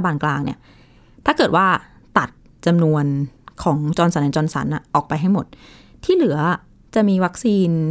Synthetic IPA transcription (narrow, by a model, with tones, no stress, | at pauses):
a˧baː˧nklaː˧ŋnḭ˦˥˩ɐ | t̪ʰaː˥˩kɤː˨˩t̪̚waː˥˩ | t̪a˨˩t̪̚ | t͡ɕa˧mnu˧ənkʰɔː˩˦ŋt͡ɕɔː˧nsa˨˦na˧˩ŋt͡ɕɔː˧nsa̰˩˦nʔa˨˩ʔɔː˨˩k̚pa˧jɦa˥˩jmo˨˩t̪̚ʰiː˥˩lɯ˩˦ɐ | t͡ɕa˨˩miː˧wa˦˥k̚siː˧n